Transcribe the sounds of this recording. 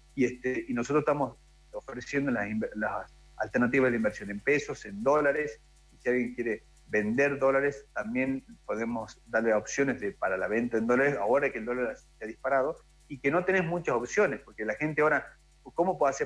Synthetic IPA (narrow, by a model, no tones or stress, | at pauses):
iest̪einosot̪ɾosht̪amos | ofɾesjend̪olasimlass | a̰lt̪eɾnat̪iβazðeimbeɾsjo̞ne̞mpeso̞send̪o̞laɾes | isialɣje̞ŋkje̞ɾe | βe̞nd̪eɾðo̞laɾest̪ambje̞npo̞ðemo̞sd̪aɾleopsjo̞nezðepaɾalaβe̞nt̪aend̪o̞laɾesaoɾaekeld̪olaɾsseaðispaɾaðo̞ | ikeno̞t̪e̞ne̞zmut͡ʃaso̞psjo̞nespo̞ɾkelaxe̞nt̪eaoɾa | ko̞mop̬weðase